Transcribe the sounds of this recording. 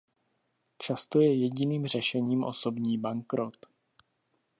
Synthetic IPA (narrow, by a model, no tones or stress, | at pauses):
t͡ʃast̪o̞jɛjɛɟɪniːmr̝ɛʃɛɲiːmʔo̞̰so̞bɲiːbaŋkɾot̪